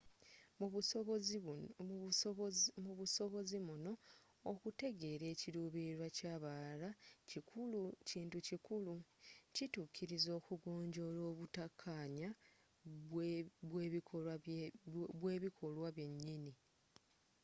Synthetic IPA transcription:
muβuso̞βo̞zimuno̞ː | kute̞ɡe̞ːɾe̞ːciɾuːβiɾwacaːβalacikʰuluciːntucikulucituːkʰiɾizo̞ːkuɡo̞ːɲɟo̞ɾo̞ːβutakʰːaːɲa | βwe̞io | βwe̞ːβikʰo̞lwaβje̞ɲːini

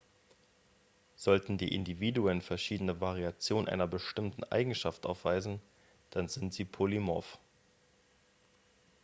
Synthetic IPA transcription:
z̥ɔltn̩dḭːʔɪ̰ndiviːduənfɛɐʃiːdənəvaʁiat͡sjoːnʔa̰ɪnɐbəʃtɪmtn̩ʔa̰ɪɡŋ̩ʃaftʔa̰ʊfv̥aɪzn̩ | d̥anzɪntz̥iːpʰolimɔ̰f

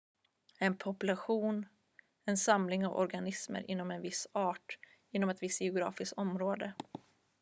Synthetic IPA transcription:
ɛnpʰɔpɵlaɧuːn | ɛnsamlɪŋavɔ̰ɾɡanɪsmə̰ɾʔɪ̰nːɔmɛnvɪsɑːʈ | ɪnːɔmɛt̪vɪst̪jɪʊɡɾɑ̰ːfɪskt̪ɔmɾoːd̪ə

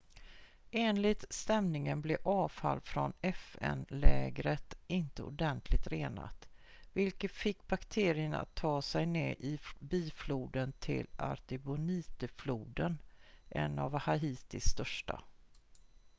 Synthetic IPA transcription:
eːnlɪt̪st̪ɛmnɪŋənblɛʔɑːvfa̰lːfɾɔnɛfɛ̰nlɛːɡɾət̪ɪnt̪əʊd̪ɛnt̪ʰlɪɡ̚t̪ɾeːna̰t̪vɪlkət̪fɪkːbakt̪ʰeːɾɪəna̰t̪ʰːɑːsɛjneːʔɪbiːfluːd̪ənt̪ʰɪ̰lʔa̰ɾt̪ɪbʊniːt̪əfluːd̪ənʔɛ̰navhaiːt̪ɪsːt̪œʂʈa̰

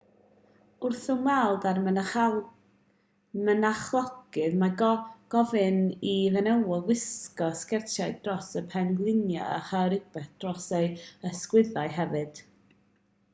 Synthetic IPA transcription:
ʊrθʊmwɛlˠdar | mənaχlˠɔɡɨðmaɡɡ̥ɔvɨnivɛnɛwɔwɪskɔskɛrtʰaɨdrɔsəpʰɛŋɡlˠɪnja̰ə̰χaɾɪbɛθd̥rɔsejəskwɪðaɨɦɛvɨd̥

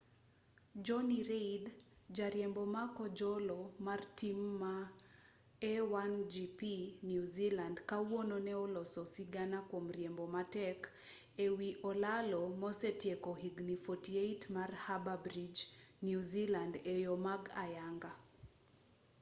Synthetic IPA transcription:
d͡ʒɔniɾeid | d͡ʒaɾjɛmbɔmakɔd͡ʒɔlɔmartimːa | ɛwand͡ʒipinjuzilandkawɔnɔnɛɔlɔsɔsiɡanakwɔm̩ɾjɛmbɔmatɛk | ɛwiʔɔlalɔmɔsɛtjɛkɔhiɡnifɔtieitmarhababɾid͡ʒ | njuzilandɛjɔmaɡajaŋɡa

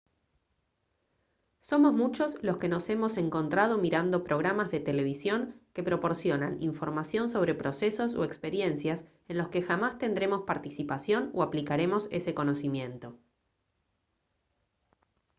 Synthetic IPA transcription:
so̞mo̞zmut͡ʃo̞sloske̞no̞se̞mo̞se̞ŋko̞nt̪ɾað̞o̞miɾand̪o̞pɾo̞ɣɾamazðe̞t̪ele̞β̞isjo̞ŋke̞pɾo̞po̞ɾsjo̞nanḭɱfo̞ɾmasjo̞nso̞β̞ɾe̞pɾo̞seso̞so̰ekspeɾje̞nsjas | e̞nlo̞ske̞xamast̪e̞nd̪ɾe̞mo̞spaɾt̪isipasjo̞noaplikaɾe̞mo̞se̞̰se̞ko̞no̞simjẽ̞nt̪o̞

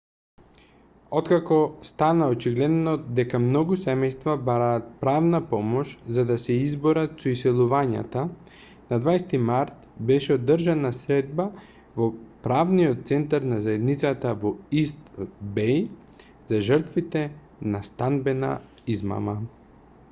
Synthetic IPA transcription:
ot̪kakɔst̪anaot͡ʃiɡlɛd̪nɔd̪ɛkamnɔɡusɛmɛjst̪vabaɾaːt̪̚pɾavnapɔmɔʃzad̪asɛizboɾat̪soisɛlˠuvaɲa̰t̪a | nad̪vajst̪imaɾt̪bɛʃɛod̪ːəɾʒanasɾɛd̪̚ba | vopɾavniɔt̪̚t̪sɛnt̪aɾnazaɛd̪nit̪sat̪avɔist̪bɛj | zaʒəɾt̪vit̪ɛ | nast̪anbɛna̰izma̰ma

